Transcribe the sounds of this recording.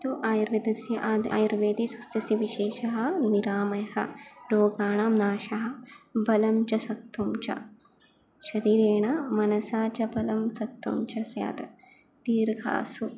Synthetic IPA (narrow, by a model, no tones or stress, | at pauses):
t̪uʔaːjɐɾʋid̪ɐsjɐʔad̪a̰ːjɐɾʋeːd̪isust̪ɐsiʋiʃeːʃɐɦɐ̆niɾaːmɐjhɐ̰ɾoːɡaːɳaːmnaːʃɐɦɐ̆bɐlɐmt͡ʃɐsɐt̪ːumt͡ʃɐ̰ | ʃɐɾiːɾeːɳɐmɐnɐsaːt͡ʃɐbɐlɐmsɐt̪ːumt͡ʃɐsja̰ːt̪ɐ | t̪iːɾɡʰʱa̰ːsu